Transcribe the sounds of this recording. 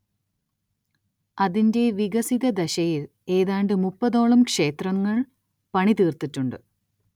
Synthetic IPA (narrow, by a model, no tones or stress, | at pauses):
ɐðinde̞ʋiɡɐsiðɐd̪ɐɕɐjil | e̞ːðaːɳɖɨmupːɐðo̞ːɭɐmkʂe̞ːt̪rɐŋːɐɭ | pɐɳit̪iːrt̪itːuɳɖɨ